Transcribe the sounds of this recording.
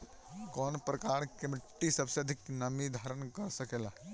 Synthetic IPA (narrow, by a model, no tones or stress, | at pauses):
kɔːnpɾəkaːɾkemɪʈːisəbseɐd̪ʱɪknəmid̪ʱaɾənkəɾsəkela